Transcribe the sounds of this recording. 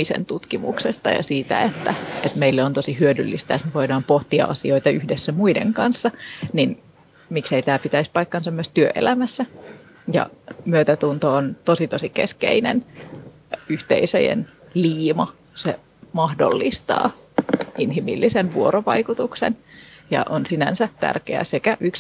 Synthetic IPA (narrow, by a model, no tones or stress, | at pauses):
isḛnt̪ut̪kimṵksest̪ɑ̰jɑ̰siːt̪æ̰et̪ːæet̪meilːeont̪osihyødylːist̪æet̪meʋoidɑːmpoht̪iɑ̰ʔɑsio̞it̪ɑyhdesːæmuidḛŋkɑnsːɑnin | mikseit̪æːpit̪æispɑikːɑnsemːoest̪yøʔḛlæmæsːæ | jɑ̰myøt̪æt̪unt̪oːnt̪osit̪osikeskḛinḛn | yht̪ḛisø̰jḛn | liːmɑ | sḛ | mɑhdo̰lːist̪ɑ̰ː | inɦimḭlːisenʋuoɾoʋɑikut̪uksḛnjɑ̰ʔonsinænsæt̪æ̰rkḛæ̰sekæʔyks